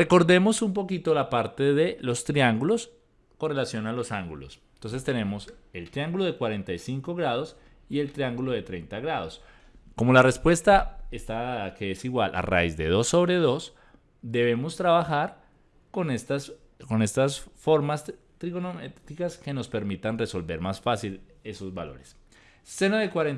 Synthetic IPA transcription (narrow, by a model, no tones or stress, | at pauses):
re̞ko̞ɾðe̞mo̞sumpo̞kit̪o̞lapaɾt̪e̞ðe̞lo̞st̪ɾiaŋɡulo̞s | ko̞nre̞lasjo̞nalo̞saŋɡulo̞̰s | nt̪o̞ns̬e̞st̪e̞ne̞mo̞se̞lt̪ɾiaŋɡulo̞ðekwaɾe̞nt̪ajsiŋko̞ɣɾað̞o̞s | ie̞lt̪ɾiaŋɡulo̞ðe̞t̪ɾe̞jnt̪aɣɾað̞o̞s | ko̞molare̞spwe̞st̪aest̪akeesiɣwalʔa̰ra̰izd̪e̞ðo̞sːo̞βɾe̞ðo̞s | d̪e̞βe̞mo̞st̪ɾaβaxaɾ | konet̪a | ko̞ne̞st̪asfo̞ɾmas | t̪ɾiɣonomet̪ikaske̞no̞spe̞ɾmit̪anre̞so̞lbe̞ɾmasfasil | e̞so̞zbalo̞̰ɾe̞sː | e̞noðe̞kwaɾen